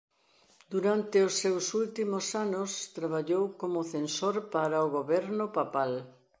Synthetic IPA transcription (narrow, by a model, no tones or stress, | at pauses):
d̪uɾant̪eosːewsult̪imosanʊst̪ɾaβ̞aʎowkomʊθensoɾpaɾaoɣoβɛɾnʊpapal